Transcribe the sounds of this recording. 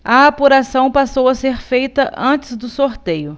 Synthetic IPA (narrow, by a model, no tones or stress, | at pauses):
ɐːpuɾasɐ̃w̃pasowɐseɾfejt̪ɐʔɐ̃t͡ʃɪzd̪ʊsoɾt̪ejʊ